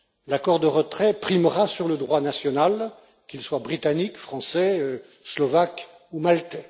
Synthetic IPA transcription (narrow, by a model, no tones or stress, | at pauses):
lakɔʁd̪əʁət̪χɛpχimʁasyʁləd̪ʁwanasjɔnal | kʲilswabʁit̪anikfχɑ̃sɛ | slɔvak | umalt̪ɛ